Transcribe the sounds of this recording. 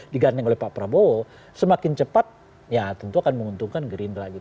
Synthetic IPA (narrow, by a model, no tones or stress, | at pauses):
diɡanɛŋolɛhpapɾabo | səmakɪnt͡ʃəpat̪̚ | jat̪ənt̪uakanməŋunt̪uŋkanɡəɾinɾaɡit̪